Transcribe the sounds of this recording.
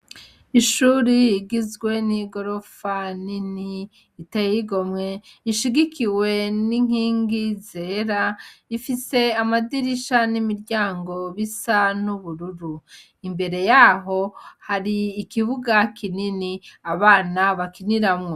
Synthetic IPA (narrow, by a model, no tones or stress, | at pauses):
iʃuɾiːɡizɡwe̞niɡo̞ɾo̞faniniː | tejiɡo̞mŋe̞iʃiɡikʰiwe̞niŋ̥iːŋɡize̞ːɾaifise̞amadiɾiʃanimiɾɟaːŋɡo̞βisanuβuɾuɾu | imbe̞ɾe̞jaɦo̞haɾiːkiβuɡakʰininiaβaːnaβakiniɾamŋo